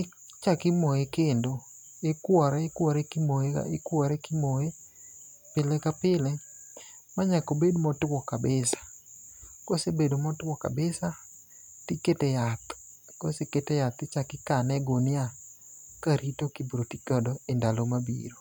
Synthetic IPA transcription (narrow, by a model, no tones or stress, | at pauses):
ɪ | t͡ʃakɪmojekendo | ekwɔɾɛekwɔɾɛkɪmoḛekwɔɾɛkɪmoje | pɪlɛkapɪlɛ | maɲakobedmɔtwɔkabɪsḁ | kosebedomɔtwɔka̰bɪsa | tiketɛjat̪ | koseketɛjat̪ɪt͡ʃakɪkanɛɡonɪa | kaɾitokibɾotikɔdɔendalomabḭɾo